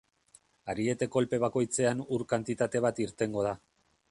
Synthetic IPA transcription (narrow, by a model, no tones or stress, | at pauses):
aɾie̞t̪e̞ko̞lpe̞β̞ako̞jt͡se̞anuɾkant̪it̪at̪e̞β̞at̪iɾt̪e̞ŋɡo̞ð̞a